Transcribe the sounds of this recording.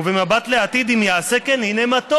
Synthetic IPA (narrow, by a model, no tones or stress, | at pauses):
uvemabat̪leat̪id̪imjaːsekenhinemat̪o